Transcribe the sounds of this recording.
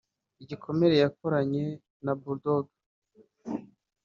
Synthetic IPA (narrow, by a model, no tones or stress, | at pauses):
iɟikʰo̞me̞ɾe̞jakoɾaɲe̞ | nabuɾdoɡa